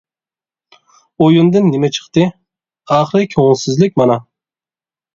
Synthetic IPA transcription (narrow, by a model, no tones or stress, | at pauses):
ojund̪ɨnːɪmɛt͡ʃʰə̥χt̪ɨ | ɑχɾɨkʲʰonsɪzlɪk̚ʲmɑnɑ